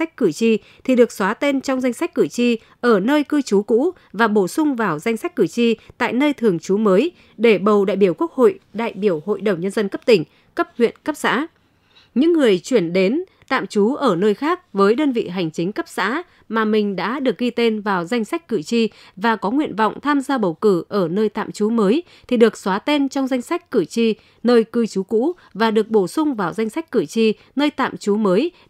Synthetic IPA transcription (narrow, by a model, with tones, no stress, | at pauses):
a˦˥jk̟̚kɨ˧˩t͡ɕi˧ | t̪ʰi˨˩ɗɨ˨˩ək̚swaː˨˦t̪e˧nt͡ɕɔ˧wŋ͡mza˧jŋ̟sa˦˥k̟̚kːɨ˧˩t͡ɕi˧ | ʔəː˧˩nəː˧jkɨ˧t͡ɕu˨˦kṵ˧˥ | vaː˨˩ɓo˧˩sʊ˧ŋ͡mvaː˨˩wza˧jŋ̟sa˦˥k̟̚kɨ˧˩t͡ɕi˧t̪a̰ː˧˨jnəː˧jt̪ʰɨ˨˩əŋt͡ɕu˨˦məː˨˦j | ɗe˧˩ɓə˨˩wɗa̰ː˧˨jɓi˧˩əwku˦˥ək̚ho̰˧˨jɗa̰ː˧˨jɓi˧˩əwho̰˧˨jɗə˨˩wŋ͡mɲə˧nzə˧nkə˦˥p̚t̪ï˧˩ŋ̟ | kə˦˥p̚hwḭ˧˨ənkə˦˥p̚sa̰ː˧˥ | ɲɨ̰˧˥ŋːɨ˨˩əjt͡ɕwi˧˩ənɗe˨˦n | t̪a̰ː˧˨mt͡ɕu˨˦ʔəː˧˩nəː˧jxaː˦˥k̚vəː˨˦jɗəː˧nvḭ˧˨ɦa˨˩jŋ̟t͡ɕï˨˦ŋ̟kə˦˥p̚sa̰ː˧˥ | maː˨˩mï˨˩ŋ̟ɗa̰ː˧˥ɗɨ˨˩ək̚ɣi˧t̪e˧nvaː˨˩wza˧jŋ̟sa˦˥k̟̚kɨ˧˩t͡ɕi˧ | vaː˨˩kɔ˨˦ŋwḭ˧˨ənvɔ̰˧˨wŋ͡mt̪ʰaː˧mzaː˧ɓə˨˩wkɨ˧˩ʔəː˧˩nəː˧jt̪a̰ː˧˨mt͡ɕu˨˦məː˨˦j | t̪ʰi˨˩ɗɨ˨˩ək̚swaː˨˦t̪e˧nt͡ɕɔ˧wŋ͡mza˧jŋ̟sa˦˥jk̟̚kɨ˧˩t͡ɕi˧ | nəː˧jkɨ˧t͡ɕu˨˦kṵ˧˥ | vaː˨˩ɗɨ˨˩ək̚ɓo˧˩sʊ˧ŋ͡mvaː˨˩wza˧jŋ̟sa˦˥k̟̚kɨ˧˩t͡ɕi˧ | nəː˧jt̪a̰ː˧˨mt͡ɕu˨˦məː˨˦j